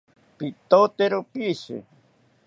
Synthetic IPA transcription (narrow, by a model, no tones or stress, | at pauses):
pit̪ot̪eɾopisḛ